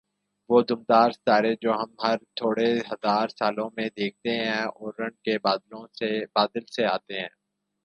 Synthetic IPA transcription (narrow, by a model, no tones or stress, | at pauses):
ʋoːd̪ʊmd̪aːɾsaːɾed͡ʒoːɦɐmɦɐɾt̪ʰoːɽeɦɐzaːɾsaːlõmẽd̪eːk̚ʰt̪eɦɛ̃ɔːɾːɐ̃ɳɖ̚kelõbaːd̪əlseaːt̪eɦɛ̰̃ː